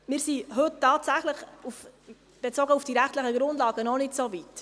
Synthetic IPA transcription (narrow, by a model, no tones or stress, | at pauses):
mɪːɾsiɦɵttːɑːtsæχləχuf | b̥et͡soːɡəufd̥iɾæχtləχəɡɾʊndlɑːɡənɔnɪtsovit